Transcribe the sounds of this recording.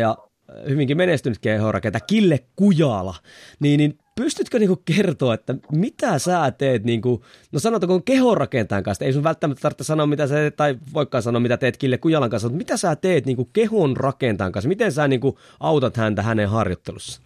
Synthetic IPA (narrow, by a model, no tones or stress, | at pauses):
jɑ | hyʋiŋkimenest̪ynyt̪̚kehorɑ̰kent̪ɑkilːekkujɑlɑ̰niːnin | pyst̪yt̪køniːŋkukkert̪oːet̪ːæmit̪æsæːt̪eːt̪niːŋku | nosɑnot̪koŋkehorɑkent̪ɑjŋkɑnst̪eisunʋʋælt̪ːæmæt̪ːt̪ɑrt̪ːesɑnoːmmit̪æsæːt̪et̪t̪ːɑiʋoikːɑːnsɑnoːmit̪æt̪eːt̪kilːekujɑlɑŋkɑnsmut̪mit̪æsæːt̪eːt̪niːŋkukehonrɑkent̪ɑːŋkɑnsmit̪ensæːniːŋku | ʔɑut̪ɑt̪hænt̪æhæneɦhɑrjot̪ːelusːɑ̥